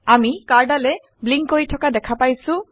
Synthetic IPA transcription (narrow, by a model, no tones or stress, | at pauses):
amikaɹɖalɛ | bliŋkoɾiʈʰɔkadɛkʰapajsu